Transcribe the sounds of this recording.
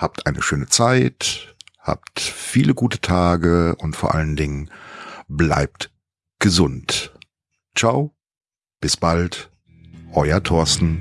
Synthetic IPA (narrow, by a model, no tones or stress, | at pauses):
haːp̚tʔaɪnəʃøːnət͡saɪtha̰ːp̚tfiːləɡuːtə̥tʰaːɡəʊntfoːɐʔa̰ləndɪŋənbla̰ɪp̚t | ɡ̥əzʊnt | t͡ʃaʊ | b̥ɪsb̥alt | ʔɔʏɐtʰɔɐstn̩